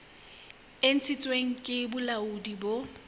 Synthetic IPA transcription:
ɪn̩t͡sʰɪt͡sʼweŋ̩kʼɪbʊlaʊdibo

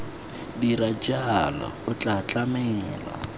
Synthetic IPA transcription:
diɾad͡ʒaɦalɔ̰ʊt͡ɬʼat͡ɬʼamɛŋ̩ːla̰

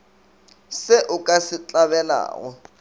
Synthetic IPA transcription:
sɪʔʊkʼasɪt͡ɬʼaβɛla̰ːɣɔ

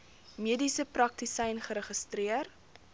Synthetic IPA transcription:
miədisəprɐk̚tisɛjnχəɾəχəstriər

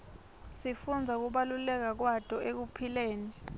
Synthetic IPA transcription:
sifund͡zʱak̬uɓalulɛk̬ak̬watʼɔek̬upʰileːni

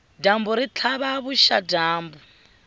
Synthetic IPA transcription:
dambuɾit͡ɬʰaβaβuʃadaːmbu

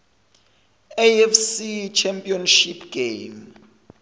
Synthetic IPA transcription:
ɛɛfsit͡ʃʰɛmpʼiɔnʃipʰɡ̥ejm

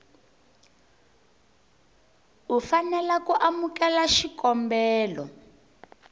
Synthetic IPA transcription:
ufanɛlakuʔamukɛlaʃikɔmbɛːlɔ̰

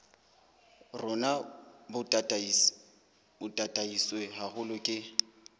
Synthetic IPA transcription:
rʊnabʊ | bʊtʼatʼaisweɦaɣʊlʊkʼɪ

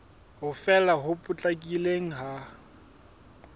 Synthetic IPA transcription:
ɦʊfɛlaɦʊpʼʊt͡ɬʼakʼileŋ̩ɦa

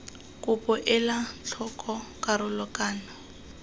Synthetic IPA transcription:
kʼʊpʼʊʔɛlat͡ɬʰɔkʼɔkʼaɾʊlɔkʼaːnɔ

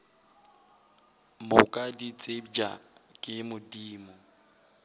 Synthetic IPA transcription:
mʊkʼadit͡sʼebd͡ʒa̰kʼɪmʊdiːmʊ

